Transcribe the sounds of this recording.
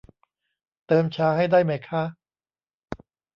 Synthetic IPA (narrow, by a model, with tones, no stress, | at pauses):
t̪ɤː˧mt͡ɕʰaː˧ha˥˩jdaː˥˩jma˦˥˩jkʰa˦˥